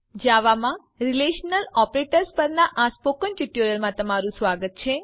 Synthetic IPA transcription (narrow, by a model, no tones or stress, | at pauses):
d͡ʒaʋamã | ɾileʃnəlɔpɾeʈəɾspəɾnaʔaspokənʈuʈjuɾəlmãt̪əmaɾũsʋaɡət̪̚t͡ʃʰe